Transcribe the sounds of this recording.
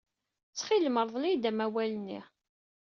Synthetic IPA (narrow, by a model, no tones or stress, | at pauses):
t͡sːχilməɾˤðˤlijd̪æmæwælənːḭ